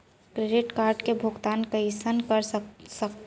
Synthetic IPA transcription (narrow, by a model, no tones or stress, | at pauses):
kɾeɖɪʈkaːɾɖkebʱʊɡt̪aːnkəisənkəɾsəkt̪